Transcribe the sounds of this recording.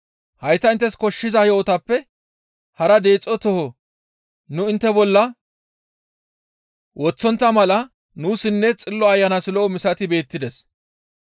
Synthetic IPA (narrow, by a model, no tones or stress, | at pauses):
hɐjt̪ːɐɪnt̪ːɛskɔʃːɪzɐjoːt̪ɐpːɛ | hɐɾɐd̪e̞ːt͡sʼːɔt̪ɔhɔ | nʊɪnt̪ːɛbɔlːɐ | wʔɔt͡sːɔnt̪ːɐmɐlɐ | nuːsɪnːɛt͡sʼɪlːɔɐjːɐnɐsɪloːmɪsɐt̪ɪbe̞ːt̪ːɪd̪ɛs